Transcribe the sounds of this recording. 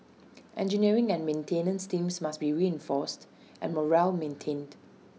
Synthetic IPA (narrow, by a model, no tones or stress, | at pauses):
ʔɛ̰̃nd͡ʒəniɹɪ̃ŋɛ̃nmẽntʰẽnə̃nstĩmsmasbiɹiɛ̃nfɔst | ʔɛ̰̃nmɔɹɛlmẽntʰẽnd